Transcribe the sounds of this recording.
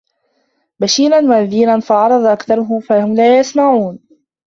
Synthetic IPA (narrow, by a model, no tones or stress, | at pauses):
baʃiːɾanwaʔðiːɾanfaʕɑɾˤɑd̪ˤɑʔakθɑɾˤʊɦʊfahʊmlaːjasmaʕuːn